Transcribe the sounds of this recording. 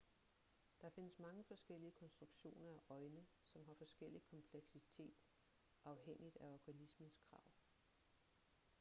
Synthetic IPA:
d̥ɑfe̝nəsmɑ̈ŋəfɒ̽sɡ̥el̰iəkʰɒ̽nsd̥ʁuɡ̥ɕo̝̰ːnɐæʔɒ̽ɪnəsɒ̽mɦɑ̈fɒ̽sɡ̥el̰ikʰɒ̽mpʰleɡ̥sit͡sʰe̝̰ːd̥ | ʔɑ̈ʊɦeŋ̰id̥æɒɡ̥ænismənskʰʁɑ̰̈ʊ̰

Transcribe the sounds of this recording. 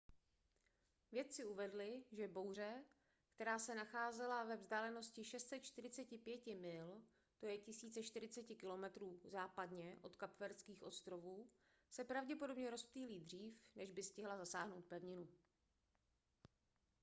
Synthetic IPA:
vjɛt̪̚t͡sɪuvɛdlɪʒɛbo̞wr̝ɛ | kt̪ɛɾaːsɛnaxaːzɛlavɛvzdaːlɛno̞scɪʃɛst̪sɛt̪t͡ʃt̪ɪɾɪt͡sɛcɪpjɛcɪmɪl | t̪o̞jɛcɪsiːt͡sɛʃt̪ɪɾɪt͡sɛcɪkɪlo̞mɛt̪ɾuːzaːpadɲɛʔo̞t̪kapvɛɾskiːxʔo̞st̪ɾo̞vuː | sɛpɾavɟɛpo̞do̞bɲɛɾo̞spliːliːd̪r̝iːfnɛʒbɪscɪɦlazasaːɦno̞wt̪̚pɛvɲɪnu

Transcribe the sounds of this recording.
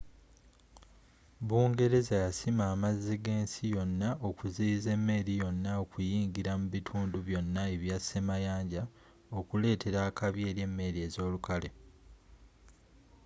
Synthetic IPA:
βuːŋɡe̞ɾe̞zajasimaːmazːiɡe̞ːnsijo̞nːaʔo̞kuziːze̞mːe̞ɾijo̞nːao̞kujiːŋɡiɾamuβitʰuːnduβjo̞nːaeβjasemajaːɲɟa | o̞kule̞ːtʰe̞ɾaːkaβje̞ːɾje̞mːe̞ɾie̞ːzo̞ːlukale̞

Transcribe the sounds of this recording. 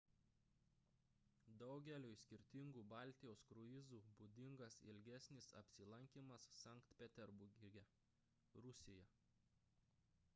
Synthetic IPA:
d̪ɒʊɡʲɛlʲoːɪsʲkʲɪɾʲt̪ʲɪŋɡuːbɑˑlʲt̪ʲɪjoːskɾʊɪzuːbud̪ʲɪŋɡɐsɪ̰lʲɡʲæsʲnʲɪsɐ̰pʲsʲɪlˠɐŋʲkʲiːmɐsːɑˑŋkt̪pʲɛt̪ʲɛɾbʊɡʲɪɡʲɛ | ɾʊsʲɪjɛ

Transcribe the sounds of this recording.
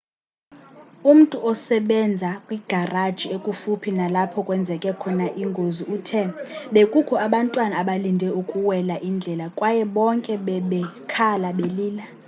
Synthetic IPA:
um̩tʼuʔɔsɛɓɛnd͡zʱakʼwiɡ̥ʱarad̥ʒ̥ʱiekʼufupʰinalapʰɔkʼwɛnd͡zʱɛkʼɛkʰɔnaʔiŋɡʱoziʔuːtʰɛɓekʼukʰɔaɓantʼwanaːɓalindʱɛukʼuwɛlaʔind͡ɮʱɛlakʼwajɛɓɔŋkʼɛɓɛɓɛkʰalaɓeliːla

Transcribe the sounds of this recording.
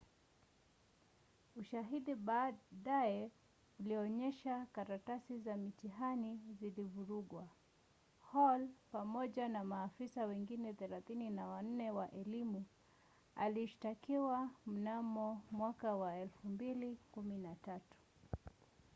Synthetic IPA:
uʃaɦiɗiɓaɗajɛ | uliɔɲɛʃakaɾatasizamitiɦanizilivuɾuɠwa | hɔlpamɔʄanamaːfisawɛŋɡinɛθɛlaθininawan̩nɛwaʔɛlimu | a̰liʃi̥takiwam̩namɔmwakawaɛlfumbilikuminatatu̥

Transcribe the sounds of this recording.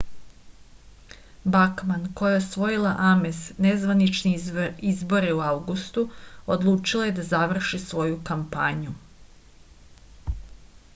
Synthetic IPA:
bakmanko̞jaosʋo̞jilaʔamesnezʋanit͡ʃniizbo̞ɾeuawɡust̪uod̪lˠuːt͡ʃilˠaje̞d̪azaʋr̩ʃisʋo̞jukampaɲu

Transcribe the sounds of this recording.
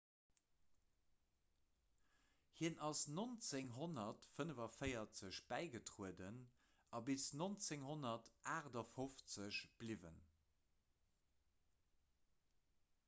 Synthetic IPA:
hiənʔɑsnont͡seŋɦonɐtfənəvɐfəɪɐt͡səɕb̥æɪɡətʁuədən | ɑbisnont͡seŋɦonɐtʔaːʁdɐfoft͡səɕb̥livə̰n

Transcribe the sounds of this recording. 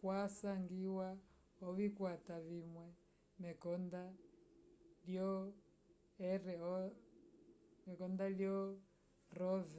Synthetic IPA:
kwasaŋɡiwa | ɔvikwatavimwɛ | mɛkɔnda | ljɔ | ɛɾɛɔ | mɛkɔndaljɔ | ɾɔvɛ

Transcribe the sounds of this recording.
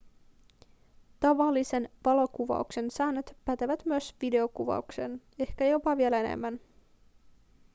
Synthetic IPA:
t̪ɑʋɑlːise̞nʋɑlo̞kuʋɑ̰ukse̞nsæːnːøt̪pæt̪eʋæt̪myøsʋide̞o̞kuʋɑ̰ukse̞n | e̞hkæjo̞pɑʋiele̞nḛmːæn

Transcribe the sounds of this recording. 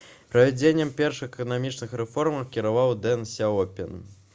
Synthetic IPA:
pɾɐvʲɛd͡zʲenʲːɐmpʲɛrʂɨxɛkɐnamʲit͡ʂnɨxɾɛfɔrmɐkʲiɾavawd̪ɛnsʲɛɔpʲɛn

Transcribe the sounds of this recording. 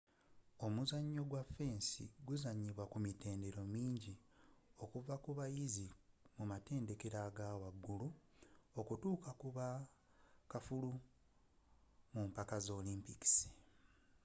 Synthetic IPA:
o̞muzaɲːo̞ɡwafe̞ːnsḭɡuzaɲiβwakumite̞ːnde̞ɾo̞miːɲɟio̞kuvakuβajizimumate̞ːnde̞ke̞ɾaɡawaɡːulu | o̞kutuːkakuβa | kafulu | mumpakazo̞ːliːmpiki̥si̥

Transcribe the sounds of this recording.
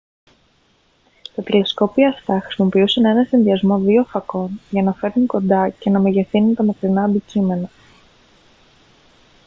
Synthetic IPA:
t̪ɐt̪ele̞sko̞pioɐft̪ɐxɾi̥simo̞piusɐne̞nɐsinðiɐzmo̞ðiofɐko̞nʝɐnɐfe̞ɾniko̞nd̪ɐce̞nɐmeʝe̞θinunt̪ɐmɐkɾinɐːnd̪icime̞nɐ

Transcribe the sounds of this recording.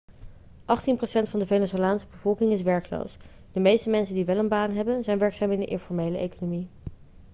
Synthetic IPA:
ʔɑχtinprosɛntfɑndəvenɪsoəjaːnsə̥bəvɔlˠkɪŋɪsʋɛɹklo̰ws | d̥əmejstəmɛnsəndiʋɛlənbaːnɦɛbənzɛjnʋɛɹksaːmɪndəʔɪ̰nfɔɹmejləʔejkonomi

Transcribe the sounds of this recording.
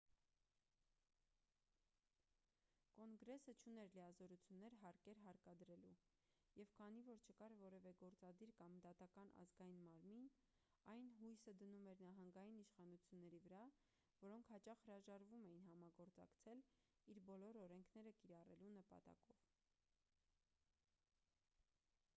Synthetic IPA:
kɔŋɡɾɛsət͡ʃʰunɛɾlijɑzɔɾut͡sʰjunːɛɾɦɑɾkɛɾɦɑɾkɑd̪əɾɛlu | jɛvkʰɑnivɔɾt͡ʃʰəkɑɾvɔɾɛvɛɡɔɾt͡sɑd̪iɾkɑmd̪ɑt̪ɑkɑnʔɑ̰zɡɑjinmɑɾmin | ɑjnɦujsəd̪ənumɛɾnɑɦɑŋɡɑjiniʃχɑnut͡sʰjunːɛɾivəɾɑ | vɔɾɔŋkʰhɑt͡ʃɑχhəɾɑʒɑɾvumɛjinɦɑmɑɡɔɾt͡sɑ̰kt͡sʰɛliɾbɔlɔɾɔɾɛŋkʰnɛɾəkiɾɑrɛlunəpɑ̰t̪ɑ̰kɔv̥

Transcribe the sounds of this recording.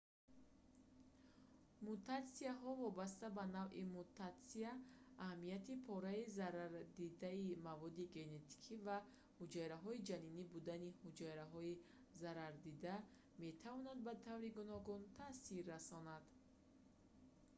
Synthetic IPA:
mut̪at̪siaɦɔvɔbas̬t̪abanavʔimut̪at̪siaːhamijat̪ipʰɔɾaizaɾaɾd̪id̪aimavɔd̪iɡe̞ne̞t̪ʰi̥kʰiva | hud͡ʒaɾaɦɔid͡ʒaninibud̪anihud͡ʒaɾaɦɔi | zaɾaɾd̪id̪a | me̞t̪ʰavɔnad̪̚bat̪ʰavɾiɡunɔɡunt̪ʰasiɾːasɔnad̪̥

